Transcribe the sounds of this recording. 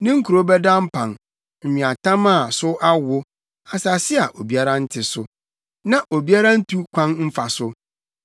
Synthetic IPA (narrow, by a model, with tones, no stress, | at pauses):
nɪ̃˦ŋ̩˦kʰu˨ɾo˦bɛ˦dã˦m̩˦pʰã˨n | m̩˨ɲĩ˨a˨tʰã˦ma˦˨sʊ˦ʔa˦wʊ˦ | a˨sa˨sɪ˦a˨ʔo˨bi˦a˦ɾa˦n̩˦tʰɪ˨sʊ˨ | nã˦ʔo˨bi˦a˦ɾa˦n̩˦tʰu˦kʷʰã˦nm̩˦fa˨sʊ˦